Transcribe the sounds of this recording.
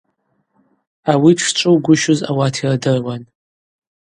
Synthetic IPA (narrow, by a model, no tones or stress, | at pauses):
awiʈ͡ʂʰt͡ʃʷʼɨwɡʷʊʃʊza̰watʰiradɨrwan